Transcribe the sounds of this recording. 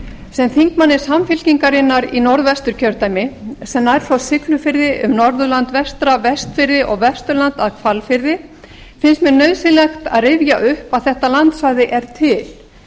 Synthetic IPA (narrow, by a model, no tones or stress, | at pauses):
sɛmθiŋkmanːɪsamfɪlciŋkaɾɪnːaɾinɔɾðvɛst̪ʏɾcʰœɾt̪ajmɪsɛmajɾ̥fasɪklʏfɪɾðɪʔʏmnɔɾðʏlant̪vɛst̪ɾavɛst̪fɪɾðɪʔɔɣvɛst̪ʏɾlant̪aðkʰvalfɪɾðɪ | fɪnst̪mɛnœɥðsɪnlɛxt̪aðrɪvjaʔʏhpaðθɛht̪alant̪svaɣðɪʔɛɾ̥t̪ʰɪl̥